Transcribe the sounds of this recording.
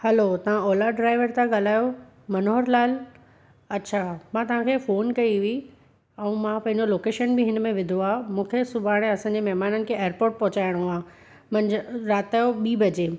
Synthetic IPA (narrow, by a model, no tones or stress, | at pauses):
hɐlot̪ɐʋ̤ãoːlaɖɾaːɪʋəɾt̪ãɡaːl̤aːjo | mɐnoɦəɾlaːl | ɐtːɕʰamãt̪ɐʋ̤ãkʰefoːnkɐiʋi | ɛ̃ũmãpɐ̃ɦɪ̃ɲd͡ʑoloːkeːʃənbʱɪɦɪnmẽʋɪd̪ʱoaːmũːkʰesʊbʱaːɽ̃eɐsãːɲd͡ʑemɛɦmaːnənɪ̆kʰeeːəɾpoːɾʈ̚pɐɦʊt͡ɕaːɪɽ̃uaː | mɐ̃nd͡ʑɾaːt̪aːjoɓiːbɐd͡ʑe